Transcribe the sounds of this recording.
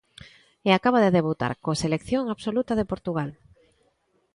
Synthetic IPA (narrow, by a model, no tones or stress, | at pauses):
eakaβaðeðeβ̞ut̪a̰ɾkoselekθjoŋaβsolut̪að̞epoɾt̪uɣal